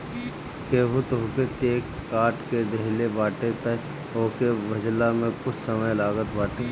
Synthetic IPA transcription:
keːʋʊt̪oːket͡ʃeːkːaːɾʈked̪eɦlebaːʈet̪ə | oːkebɐd͡ʒlamẽkʊt͡ʃʰsəməjlaːɡət̪baːʈe

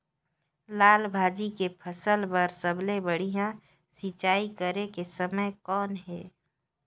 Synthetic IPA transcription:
laːlbʱaːd͡ʒikepʰəsəlbəɾsəblebəɽ̤ijã | sit͡ʃaːikəɾekesəməjkɔːnɦɛː

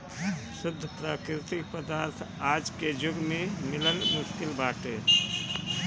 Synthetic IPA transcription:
sʊd̪ʱːəpɾaːkɾɪt̪ɪk̚pɾəd̪aːɾt̪ʰaːd͡ʒked͡ʒʊɡmẽmɪləlmʊʃkɪlbaːʈeː

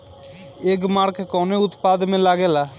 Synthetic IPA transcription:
eːɡmaːɽkekoːneut̪paːd̪meːlaːɡɛla

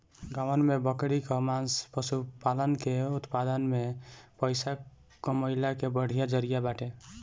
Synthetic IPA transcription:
ɡawənmebəkɽikɔmanspəsupalənkeut̪pad̪ənmepəjsa | kɔməɦilakebəɽ̤ijad͡ʒəɾijabaʈe

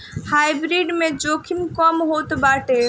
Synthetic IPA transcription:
haːjbɾiɖmẽd͡ʒokʰinkɔmɦot̪baːʈe

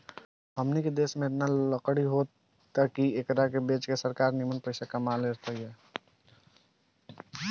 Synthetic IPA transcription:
ɦəmniked̪eːsmẽet̪naləkɽiɦot̪ː | əkiekəɾakebet͡ʃkesəɾkaːɾnimənpəɪsakamaleɾt̪aiɦɛː

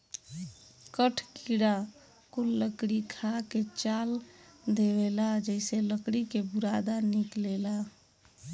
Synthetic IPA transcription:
kəʈʰkiɽa | kulːəkɽikʰaket͡ʃald̪ewelad͡ʒɛɪseləkɽikebuɾad̪aniklela

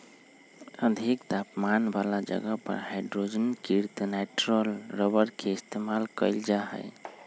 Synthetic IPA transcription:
əd̪ʱikt̪apmanbalad͡ʒə̰ɡəpə̰ɾhaɪɖɾod͡ʒənkiɾt̪nɛʈɾəlɾəbəɾkʰeɪst̪emalkəɪld͡ʒaɦə̰j

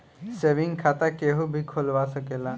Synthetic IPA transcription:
seʋiŋkʰat̪akeɦubʱikʰolʋasəkela

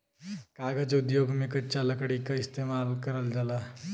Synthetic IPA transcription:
kaːɡəd͡ʒʊd̪joːɡmẽkɐtːt͡ʃalɐkɽikaɪst̪emalkəɾəld͡ʒaːla

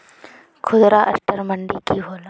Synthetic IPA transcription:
kʰʊd̪ɾaʔɐ̰sʈəɾmɐɳɖikiɦoːla

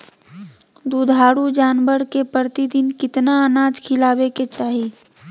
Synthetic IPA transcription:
d̪ud̪ʱaːɽud͡ʒaːnbəɾkepəɾt̪id̪ɪnkɪt̪naənaːd͡ʒkʰɪlaːbeket͡ʃaːɦe

